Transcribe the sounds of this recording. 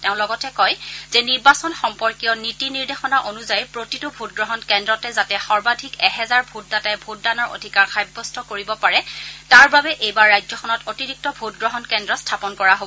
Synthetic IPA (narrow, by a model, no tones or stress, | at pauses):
tɛʊ̃lɔɡɔtɛkɔjz̥ɛniɹbasɔnxɔmpɔɹkijɔnitiniɹdexɔnaʔonuzajpɹotitʊbʱut̚ɡɹɔɦɔnkɛndɹɔtɛzatɛxɔɹbadʱikɛɦɛzaɹbʱut̚datajbʱut̚danɔɹo̰dʱikaɹxajbːɔstʰɔkoɹibɔpaɹɛtaɹbabɛʔejbaɹːajzɔxʰɔnɔtotiɹik̚tɔbʱut̚ɡɹɔɦɔnkɛndɹɔstʰapɔnkɔɹaɦobɔɔ